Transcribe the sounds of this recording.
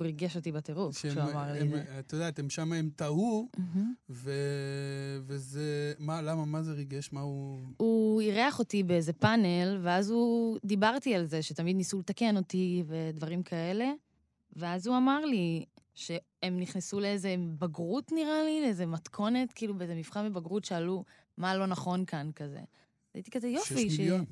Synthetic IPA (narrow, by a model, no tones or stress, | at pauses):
uʁiɡeʃo̞t̪ibateʁufʃʃamaʁlit̪odat̪emʃamaemt̪aum̩m̩ve | vezemalamamazeʁiɡeʃmauuiʁeaχo̞t̪ibeeze̞panelveazud̪ibaʁtialze̞ʃet̪amid̪nisulet̪ake̞no̞t̪ive̞d̪vaʁimkʰae̞le̞ | ve̞azuamaʁliʃe̞ | emniχnesuleeze̞baɡʁutniʁalileze̞matkʰo̞ne̞tkiːlubeezemifχanvebaɡʁutʃealu | malo̞naχo̞nkankazḛ | a̰it̪i̥kazejofiʃea